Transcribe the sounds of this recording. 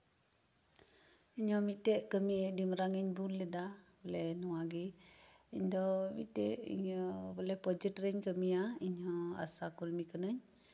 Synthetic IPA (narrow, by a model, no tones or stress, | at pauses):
iɲɔmit̪eʔkəmidiməɾaŋiɲbulled̪abolɛnuwaɡiiɲdɔmḭt̪ɛʔḭɔbɔlɛpɔd͡ʒətɾɛɲkəmiaiɲɔa̰sakulmikənəɲ